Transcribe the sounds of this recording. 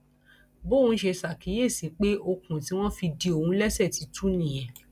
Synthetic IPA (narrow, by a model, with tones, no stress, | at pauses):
bo˦˨ũ˧˦ʃe˧sa˨ki˨˦je˦˨si˨˦k͡pe˦ʔo˧kũ˨ti˨˦w̃ɔ̃˦fi˧di˧˦o˨ũ˨˦lɛ˦sɛ˦˨ti˨˦tu˦nĩ˦˨j̃ɛ̃˨